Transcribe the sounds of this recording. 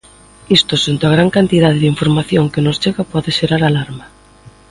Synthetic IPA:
ist̪osent̪oaɣ̞ɾaŋkant̪iðað̞ɪðiɱfoɾmaθjoŋkɪnost͡ʃeɣapɔðeʃeɾaɾalaɾma

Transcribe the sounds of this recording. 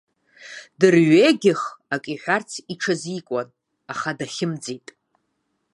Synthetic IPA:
dɨrɥeɡʲɪχakʼiħʷᶣart͡sʰiʈ͡ʂʰazikʷʼan | aχadaχʲɪmd͡zitʼ

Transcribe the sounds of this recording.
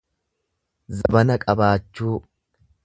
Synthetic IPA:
zɐbɐnɐkʼɐbaːt͡ʃːuː

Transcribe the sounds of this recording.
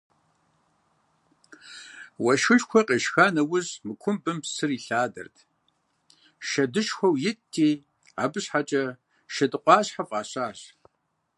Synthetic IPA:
wɐʃɨɮxʷɔqʼeːʃxaːnɐwʊʑmɨkʷʰʊmbɨmpsɨriːɬaːdɐ̰rtʰ | ʃɐdɨʃxʷɐwjɪtʰːiː | a̰ːbɨɕħat͡ʃʼɐ | ʃɐdɨqʷʼɑːɕħafʼɑːɕaːɕ

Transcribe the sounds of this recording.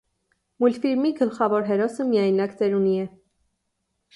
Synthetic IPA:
mulfiɾmiɡəlχɑvɔɾɦɛɾɔsəmijɑjnɑkd͡zɛɾuniɛ

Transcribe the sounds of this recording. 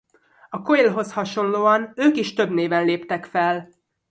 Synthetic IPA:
ɒkoelɦo̞shɒʃo̞nloːɒnøːkiʃt̪øbneːvɛnleːpt̪ɛkfɛl

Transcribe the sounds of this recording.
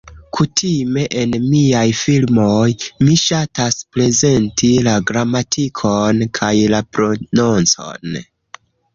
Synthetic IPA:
kʰutʰime̞ʔenmiajfilmo̞jmiʃataspɾe̞ze̞ntʰilaɡɾamatʰikʰonkʰajlapɾo̞nont͡so̞̰n

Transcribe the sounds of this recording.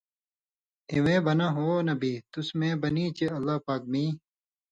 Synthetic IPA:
ewẽːbɐnaɦoːnɐbit̪usmẽːbɐniːt͡ɕeɐlːaːpaːk̚miː

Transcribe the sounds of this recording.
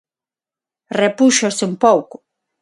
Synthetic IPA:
repuʃoseumpowkʊ

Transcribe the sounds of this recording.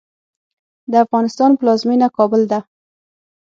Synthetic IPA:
d̪əafɣɑnɪst̪ɑnplɑzminakɑbʊld̪a

